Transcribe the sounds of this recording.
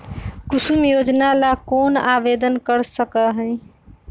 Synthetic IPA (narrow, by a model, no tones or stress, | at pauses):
kusumjod͡ʒnalakonabed̪ənkəɾsəkəɦəɪ